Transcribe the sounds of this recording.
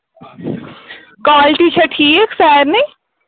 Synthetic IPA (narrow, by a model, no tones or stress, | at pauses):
kaːlʈit͡ʃʰɐʈʰiːeksɛːɾnɐ̃